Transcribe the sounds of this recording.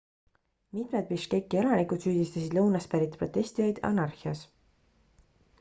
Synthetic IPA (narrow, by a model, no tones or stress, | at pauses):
mit̪me̞d̪̚piʃkekːˑie̞lɑnikud̪syːd̪ist̪ɑsid̪̥lɤwnɑspæɾit̪ːpro̞t̪ːˑe̞sʲt̪ijɑjd̪ɑ̰nɑrhiɑs